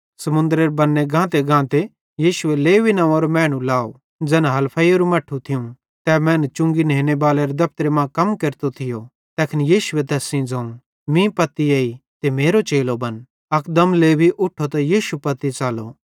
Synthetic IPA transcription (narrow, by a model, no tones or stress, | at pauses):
sɐmʊ̃nd̪ɾeɾbɐnːeɡʱãːt̪eɡʱãːt̪e | jiːʃʊeleːʋinɐ̃ʋãɾomɛ̃ːɽ̃ũlaːo̰ | d͡zɛːnaɦɐlpʰaioɾumɐʈʰũt̪ʰɪũ | t̪ɛːmɛ̃ːnt͡ʃʊ̃ŋɡineːñebaːleɾed̪ɐp̚t̪ɾemãːkɐmkeɾt̪ot̪ʰɪjo | t̪ɛːkʰnjiːʃʊet̪ɛːsĩd͡zãːũ | mĩpɐt̪ieːit̪emeːɾot͡ʃeːlobɐn | ɐkd̪ɐmleːbʱiʔʊʈʰːot̪ajiːʃupɐt̪it͡ʃaːlo̰